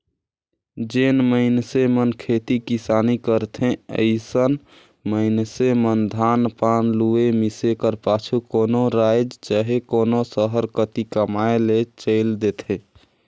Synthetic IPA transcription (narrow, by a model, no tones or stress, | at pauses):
d͡ʒeːnməɪnsemənkʰet̪ikisaːnikəɾt̪ʰẽə̰ɪsən | məɪnsemənd̪ʱaːnpaːnluemisekəɾpaːt͡ʃʰukoːnoɾajd͡ʒt͡ʃaɦekoːnosəɦəɾkət̪ikəmaelet͡ʃəɪld̪et̪ʰẽ